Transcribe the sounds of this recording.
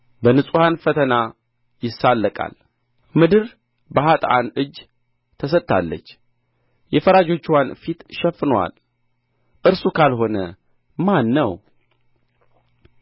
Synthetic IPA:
bənɨsʼuhanfət̪ʰəna | jɪsːalːəkʼa̰l | mɨd̪ɨɾ | bəɦat̪ʼanɨd͡ʒ | t̪ʰəs̬ətt̪ʰːa̰lːə̰t͡ʃː | jɛfəɾad͡ʒo̞t͡ʃːwanfit̪ʃɛfːɨnwa̰l | ʔɨɾsukʰalɦo̞nə | manːəw

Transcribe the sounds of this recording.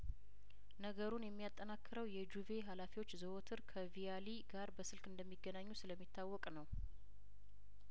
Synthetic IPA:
nəɡəɾunjɛmːijat̪ʼːənakːɨɾəwjɛd͡ʒuve̞ɦalafiwo̞t͡ʃːzəwot̪ʰɨɾkʰəvijaliɡaɾbəsɨlkɨnd̪əmːiɡːənaɲːusɨləmːit̪ːawːɔkʼnəw

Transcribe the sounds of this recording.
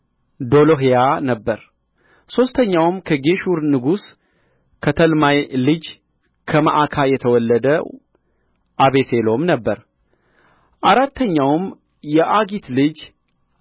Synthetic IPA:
d̪o̞loɦejanəbːəɾ | so̞st̪ʰəɲːawmkʰəɡe̞ʃuɾnɨɡus | kʰət̪ʰəlmajlɨd͡ʒ | kʰəmə̰ʔakʰajɛt̪ʰəwɔlːəd̪ə | ʔaβeselo̞mnəbːəɾ | ʔaɾat̪ːəɲːawm | jɛʔaɡit̪lɨd͡ʒ

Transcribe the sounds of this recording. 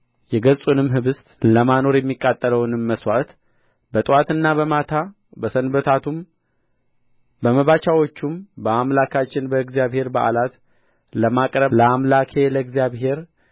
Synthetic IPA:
jɛɡəsʼunɨmɦɨβɨst̪ʼləmano̞ɾjɛmːikʼːat̪ʼːələwnɨmːəswat̪ | bət̪ʼɨwat̪ɨnːaβəmat̪ʰa | bəsənbət̪ʰat̪ʰum | bəməβat͡ʃawo̞t͡ʃːumbəamlakʰat͡ʃːɪnbəɨɡzjaβhe̞ɾbaʔa̰lat̪ | ləmakʼɾələamlakʰe̞ləɨɡzjaβɦe̞ɾ

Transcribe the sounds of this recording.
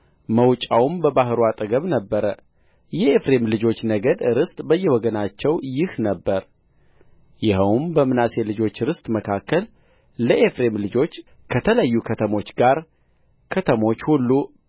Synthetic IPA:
məwt͡ʃʼawmbəbahɨɾuat̪ʼəɡəβnəbːəɾə | jɛefɾe̞mlɨd͡ʒo̞t͡ʃːnəɡəd̪ɨɾɨst̪ʼbəjːɛwɔɡənat͡ʃːɛwjɪhnəbːəɾ | jɪɦəwmbəmɨnaselɨd͡ʒo̞t͡ʃːɨɾɨst̪ʼməkʰakːəlː | əʔefɾe̞mlɨd͡ʒo̞t͡ʃː | kʰət̪ʰələjːukʰət̪ʰəmo̞t͡ʃːɡaɾ | kʰət̪ʰəmo̞t͡ʃːhulːu

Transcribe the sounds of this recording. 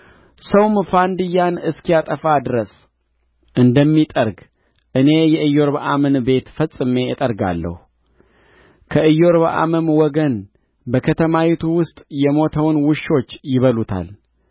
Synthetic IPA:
səwmfand̪ɨjːanɨskijat̪ʼəfad̪ɨɾəs | ʔɨnd̪əmːit̪ʼəɾɡ | ʔɨne̞jɛʔɨjo̞ɾbaʔamɨnbe̞t̪fəsʼɨme̞jɛt̪ʼəɾɡa̰lːə̰hu | kʰəɨjːo̞ɾβa̰ʔa̰mɨmwɔɡən | bəkʰət̪ʰəmawit̪ʰuwʊst̪ʼjɛmo̞t̪ʰəwnwʊʃːo̞t͡ʃːjɪβəlut̪ʰa̰l

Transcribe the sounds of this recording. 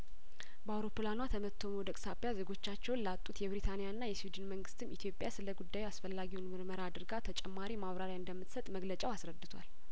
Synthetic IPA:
bəawɾo̞pʰɨlanwat̪ʰəmət̪ʰːo̞mod̪əkʼsapːjaze̞ɡo̞t͡ʃːat͡ʃːɛwnlat̪ʼːut̪jɛbɾit̪ʰanijaɨnːajɛswid̪ɨnməŋɡɨst̪ʰɨmit̪ʰijo̞pʼjasɨləɡud̪ːajuasfəlːaɡiwunmɨɾməɾad̪ɨɾɡat̪ʰət͡ʃʼɛmːaɾimaβɾaɾjaɨnd̪əmːɨt̪sət̪ʼməɡlət͡ʃʼawasɾəd̪ːɨt̪ʰwa̰l

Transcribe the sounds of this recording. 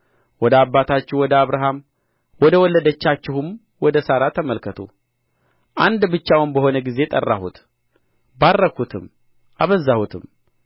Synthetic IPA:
wɔd̪əabːat̪ʰat͡ʃːɪwɔd̪əaβɾaɦam | wɔd̪əwɔlːəd̪ət͡ʃːat͡ʃːɪhum | wɔd̪əsaɾat̪ʰəməlkʰət̪ʰṵ | ʔand̪bɨt͡ʃːawnbəho̞nəɡize̞t̪ʼə̰rːa̰hṵt̪ | barːəkut̪ʰɨm | ʔaβəzːahut̪ʰɨm

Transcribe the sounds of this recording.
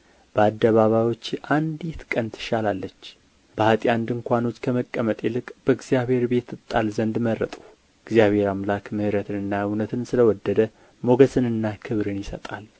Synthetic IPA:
b̥əad̪ːəβaβajwo̞t͡ʃːʔand̪it̪kʼənt̪ʰɨ̥ʃalalːət͡ʃː | bəhat̪ʼjand̪ɨŋkʷano̞t͡ʃːkʰəməkʼːəmət̪ʼelɨkʼbəɨɡzijaβhe̞ɾbe̞t̪ːɨt̪ʼːalzənd̪mərə̰t̪ʼu̥ | ɪɡzjaβhe̞ɾamlakmɨhɨɾət̪ʰɨnɨnːajɨwnət̪ʰɨnsɨləwɔd̪ːəd̪ə | mo̞ɡəsɨnɨnːakʰɨβɾɨnjɪsət̪ʼal

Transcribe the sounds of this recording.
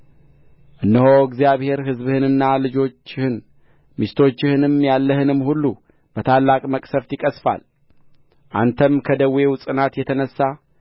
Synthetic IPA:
ʔɨnːəhoɨɡzijaβhe̞ɾɦɨzbɨhɨnɨnːalɨd͡ʒo̞t͡ʃːɪhɨn | miʃt̪ʰo̞t͡ʃːɪhɨnɨmjalːəhɨnɨmːhulːu | b̥ət̪ʰalːakʼməkʼsəft̪jɪkʼəsfa̰l | ʔa̰nt̪ʰəmkʰəd̪əwːe̞wʊsʼɨnat̪jɛt̪ʰənəsːa

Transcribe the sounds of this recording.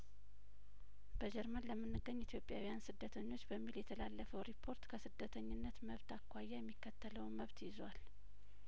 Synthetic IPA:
b̥əd͡ʒɛɾmənləmːɨnːɨɡːəɲːit̪ʰjo̞pʼjawijansɨd̪ːət̪ʰəɲːo̞t͡ʃːbəmːiljɛt̪ʰəlalːəfəwɾipʰːo̞ɾt̪kʰəsɨd̪ːət̪ʰəɲːɪnːət̪məβt̪ʰakːʷajːɛjɛmːikːət̪ʰːələwməβt̪jɪzwal

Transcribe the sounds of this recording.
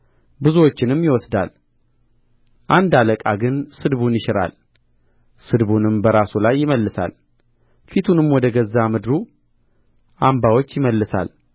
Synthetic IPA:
bɨzuwot͡ʃːɪnɨmːjɪwɔsd̪a̰l | ʔand̪aləkʼaɡɨnsɨd̪βunjɪʃɪɾa̰l | sɨd̪bunɨmbəɾasulajːɪməlːɨsa̰l | fit̪ʰunɨmwɔd̪əɡəzːamɨd̪ɾu | ʔambawo̞t͡ʃːjɪməlːɨsa̰l

